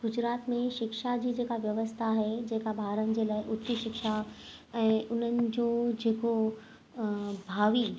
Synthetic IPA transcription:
ɡ̥ʊd͡ʑɾaːt̪mẽʃɪkʃad͡ʑiːd͡ʑeːkaʋjɐʋəst̪ʰaɦed͡ʑeːkabʱaːɾənɪ̆d͡ʑeːlaːɪʔʊt͡ɕiʃɪkʃa | ɛ̃ːʔʊn̤ənɪ̆d͡ʑoːd͡ʑeːko | bʱaːʋi

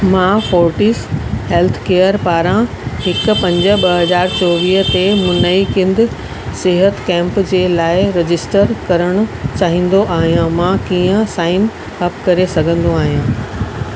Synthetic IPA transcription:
mãːfoːɾʈiːsɦeːlt̪ʰkeːəɾpaːɾã | hɪk̆pɐ̃ɲd͡ʑə̆ɓɐɦɐzaːɾt͡ɕɔːʋiːɦt̪emʊnəikɪ̃nd̪ɪ̆ | sɪɦət̪kɛ̃ːmpd͡ʑeːlaːɪɾɪd͡ʑɪsʈəɾkɐɾəɽ̃ʊ̆t͡ɕaːɦĩːn̆d̪oʔaːɦijãmãːkiːə̃saːɪn | hɐpkɐɾesɐɡʱə̃nd̪oaːɦijãː

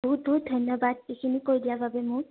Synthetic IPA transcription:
buɦut̚bʱuɦut̚dʱɔjnjɔbad̚ekʰinikoɹjdijababɛmʊɹ

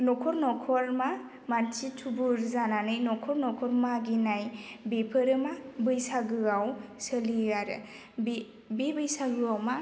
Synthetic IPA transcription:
nɔkʰɔɾnɔkʰɔɾma | mansitʰubuɾzananɯjnɔkʰɔɾnɔkʰɔɾmaɡinajbepʰɯɾɯmabɯjsaɡɯawsəliaɾ̰ | be | bebɯjsaɡɯawma

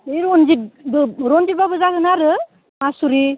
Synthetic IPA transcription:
iɾɔnzibɯɾɔnzibabɯzaɡɯnaɾɯ | masuɾi

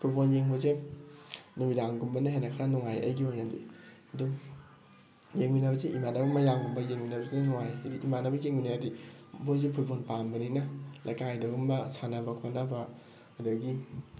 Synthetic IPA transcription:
pʰuɾbonjeŋɦoze | numidaŋɡumbɐnaɦenɐkʰɾanuŋajɐ̰jɡiojnadṵj | ɐdɔ | jeŋminabɐzeʔimanabɐmɐjaŋɡumbɐjeŋminabɐzennuŋajdiʔimanabɐjeŋminajadibozepʰuɾbonpambɐninɐlajkajdɐɡumbɐsʰanabɐkʰonaba | ɐdɐɡi

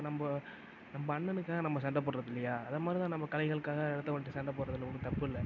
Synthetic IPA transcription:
nɐmbɐ | nɐmbɐːɳːɐnɯkːaːɣɐnɐmːɐsɛɳɖɐp̬ːoːɽɾɐðɪlːɐjaːɐðɐmaːd̪ɾit̪ãːnɐmːbɐkɐlɐɪɣɐɭɯkːaːɣɐɛɽɯt̪ːɐʋɐːnʈːisɛɳɖɐp̬ːoːɽɾɐðɯlɯkʊnɯt̪ɐpːɯɪlːɐ

